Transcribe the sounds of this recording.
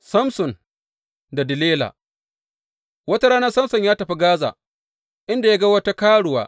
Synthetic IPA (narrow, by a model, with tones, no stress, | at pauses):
sɐ˦msʊ˨n | da˨dɪ˨leː˦la̰ː˨ | wɐ˦ta˦ɽaː˦nɐ˦rsɐ˦msʊ˨ɲjaː˦tɐ˨ɸi˦ɡaː˦za̰ː˨ | ʔɪ˦nda˨ja˦ɡa˦wɐ˦ta˦kaː˦ɽʊ˨wa̰ː˦